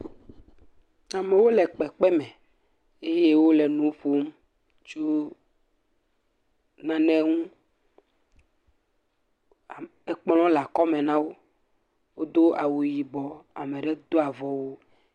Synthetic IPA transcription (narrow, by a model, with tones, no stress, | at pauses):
a˨mɛ˨wo˦lɛ˨k͡pɛ˨k͡pɛ˦mɛ̃˨ | e˦je˦wo˦lɛ˨nũ˨˦ɸo˦m̩˦ | t͡ʃo˦ | nã˦nɛ̃˦ŋũ˦˨ | e˦k͡pl̃ɔ̃˦la˨kɔ˦mẽ˨nã˦wo˦ | wo˦d̪o˦a˨wu˨ji˨bɔ˨a̰˨me˨ɖe˦d̪o˦a˨vɔ˨wo˦